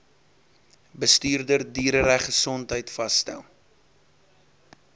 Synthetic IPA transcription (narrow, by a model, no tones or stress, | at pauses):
bəstyːrdərdyːɾəɾæχəsɔntɦəjtfɐstæ̰lˠ